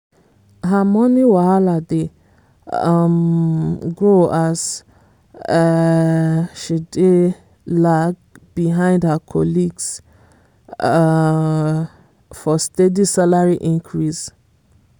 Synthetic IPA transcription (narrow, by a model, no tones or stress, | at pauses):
ɦamɔniwaalade | m | ɡoas | ʃide | laɡbiɦãɪ̃ndhakʰɔliɡs | fɔstedisalaɹiʔĩŋkʰɹis